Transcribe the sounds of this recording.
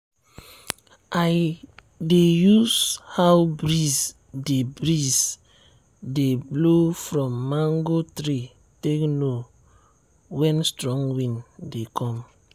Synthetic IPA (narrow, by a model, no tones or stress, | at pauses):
ʔaj | dejuzhawbɾiz | debɹiz | deblofɹɔ̃mːãŋɡotɹi | tekno | wɛ̃nstɹɔ̃ŋwĩndekʰɔ̃m